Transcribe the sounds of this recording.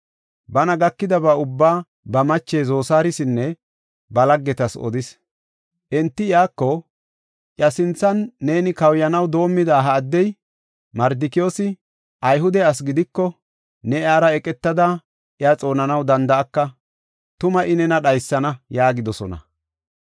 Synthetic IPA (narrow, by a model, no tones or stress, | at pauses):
bɐnɐɡɐkːɪd̪ɐbɐʊbːaː | bɐmɐt͡ʃːeːzo̞ːsaːɾɪsɪnːɛ | bɐlɐɡːɛt̪ɐsɔ̰d̪ɪs | ʔɛnt̪ːɪjaːkːɔ | ʔjɐsɪnt͡sːɐnːe̞ːnɪkɐwjɐnɐwd̪o̞ːmːɪd̪aːɦɐːd̪ːɛj | mɐɾd̪ɪkɪo̞ːsɪ | ʔɐjɦʊd̪ɛɐs̬ɡɪd̪ɪkːɔ | nɛjaːɾɐɛkʼɛt̪ːɐd̪ɐ | ʔɪjaːt͡sʼo̞ːnɐnɐwd̪ɐnd̪ɐːkːɐ | t̪ʊmɐʔɪnɛnɐɗɐjsːɐnɐjaːɡɪd̪ɔsɔnɐ̰